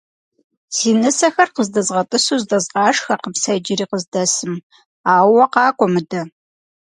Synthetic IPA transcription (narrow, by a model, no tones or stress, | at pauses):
siːnɨsɐxɐrqəzdɐzʁɐtʼɨsuːzdɐzʁɑːʂxɐqəpsɐd͡ʒɪɾiːqəzdɐsɨm | aːwɐqɑːkʷʼɔmɨdɐ